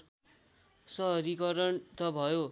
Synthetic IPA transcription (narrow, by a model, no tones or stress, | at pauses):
sʌɦʌɾikʌɾʌnt̪ʌbʱʌjo